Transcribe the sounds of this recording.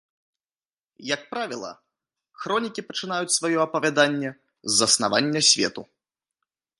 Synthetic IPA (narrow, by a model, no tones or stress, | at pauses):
jɐk̚pɾavʲilˠɐ̰ | xɾɔnʲikʲipɐt͡ʂɨnajut͡sʲsvajɔɐpɐvʲad̪anʲːɛ | zːɐsna̰va̰nʲːɛsʲvʲɛ̰t̪u